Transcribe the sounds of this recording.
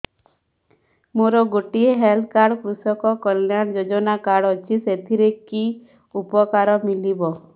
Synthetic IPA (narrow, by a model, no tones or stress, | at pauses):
moɾɔɡoʈieɦeld̪kaɾɽkɾusɔkɔkɔlːjand͡ʒod͡ʒɔnakaɽɔt͡ʃʰiset̪ʰiɾeki | upɔkaɾɔmilibɔ